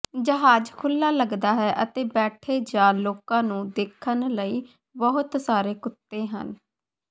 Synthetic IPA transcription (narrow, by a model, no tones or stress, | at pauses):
d͡ʒəɦaːd͡ʒkʰʊlːaːləɡd̪aːɦɛːʔət̪eːbɛːʈʰeːd͡ʒãːloːkãːnũːd̪eːkʰənləiː | bəɦʊt̪saːɾeːkʊt̪ːeːɦə̰n